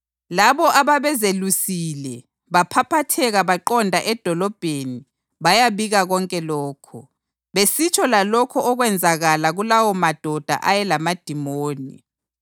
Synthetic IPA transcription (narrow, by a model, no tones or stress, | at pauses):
laβɔʔaβaβɛzelusilɛ | βapʰapʰatʰɛɣaβaǃɔndʱaʔɛd̥ʱɔlɔb̥ʱeni | βajaβiɣaɣɔŋkʼɛlɔːkʰɔ | βesit͡ʃʼʰɔlalɔkʰɔʔɔɣwɛnd͡zʱaɣalaɣulawɔmad̥ʱɔd̥ʱa̰ʔajɛlamad̥ʱimoːnḭ